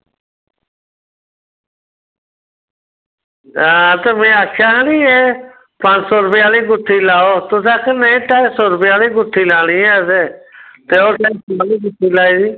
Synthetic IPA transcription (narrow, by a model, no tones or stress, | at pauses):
aːt̪əmẽːaːkʰaːniːeː | pãːd͡ʒsoːɾəpɪjaːliːɡʊʈʰːiːlaːoːt̪ʊs̬aːkənẽʈaːisoːɾəpɪjaːliːɡʊʈʰːiːlaːɽ̃iːeːseːt̪eːoːʈasaːliːɡʊʈʰːiːlaːiːziː